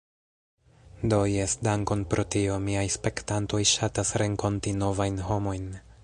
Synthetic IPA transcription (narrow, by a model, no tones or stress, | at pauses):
do̞jesdaŋko̞npɾʔo̞tio̞miajspe̞ktanto̞jʃatasɾe̞ŋko̞ntino̞vajnɦo̞mo̞jn